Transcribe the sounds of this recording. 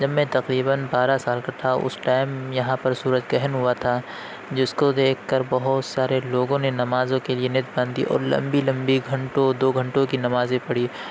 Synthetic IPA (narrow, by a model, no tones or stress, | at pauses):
d͡ʒɐbmẽt̪ɐqɾiːbənbaːɾasaːlkaʈʰaʊ̰sʈaːɪmjɐɦãpɐɾsuːɾəd͡ʒɡɛɦənɦʊat̪ʰa | d͡ʒɪskod̪eːkʰːkɐɾbɐɦʊt̪saːɾeloːɡõnenɐmaːzõkelienɪt̪̚bãːnd̪ḭʔɔ̰ːɾlɐ̰̃mbilɐ̃mbiɡʱɐ̃ɳʈõd̪oːɡʱɐ̃ɳʈõkinɐmaːzẽpɐɽ̤iː